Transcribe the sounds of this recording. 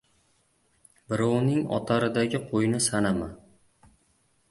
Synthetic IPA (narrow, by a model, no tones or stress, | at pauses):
bɪɾɒwnɪŋɒ̰t̪ʰaɾɪd̪aɡʲɪqʰojnɪsanama